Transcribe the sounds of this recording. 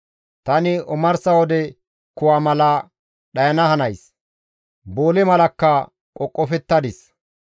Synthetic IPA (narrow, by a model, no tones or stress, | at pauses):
t̪ɐnɪʊmɐɾsɐwɔd̪ɛ | kʊwaːmɐlɐ | ɗɐjɐnɐhɐnɐjs | boːlɛmɐlɐkːɐ | kʼɔkʼːɔfɛt̪ːɐd̪ɪs